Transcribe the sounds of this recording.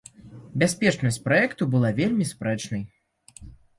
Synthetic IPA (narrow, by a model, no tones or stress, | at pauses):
bʲasʲpʲɛt͡ʂnɐs̚ʲpɾaɛkt̪ubɨlˠavʲelʲmʲispɾɛt͡ʂnɐj